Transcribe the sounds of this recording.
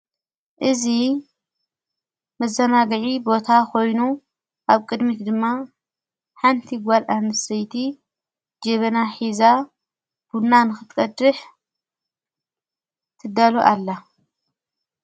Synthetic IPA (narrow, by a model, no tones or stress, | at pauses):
ʔɨzi | mɐzːɐnaɡɨʕibo̞t̪ʰakʰo̞jnu | ʔaβkʼɨd̪mit̪d̪ɨmːa | ħant̪ʰiɡʷalʔamɨsɐjt̪ʰi | d͡ʒɐβɐnaħiza | b̥ulnanɨxɨt̪kʼɐd̪ɨħ | t̪ʰɨd̪aloʔalːa